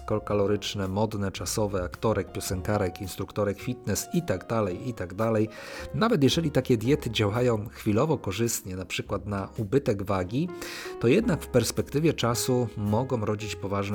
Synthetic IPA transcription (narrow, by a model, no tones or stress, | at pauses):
kɔlkalɔɾɘt͡ʂnɛmɔd̪nɛt͡ʂasɔvɛakt̪ɔɾɛk̚pʲjɔsɛŋkaɾɛkinst̪ɾukt̪ɔɾɛkfʲit̪nɛsit̪aɡd̪alɛjit̪aɡd̪alɛjnavɛt̪jɛʐɛlʲit̪akʲɛd̪ʲjɛt̪ɘd͡ʑawajɔ̃w̃xfʲilɔvɔkɔʐɘst̪ɲɛnapʂɘkwat̪naubɘt̪ɛɡvaɡʲit̪ɔjɛd̪nakfpɛɾspɛkt̪ɘvʲjɛt͡ʂasumɔɡɔ̃w̃ɾɔd͡ʑit͡ɕpɔvaʐn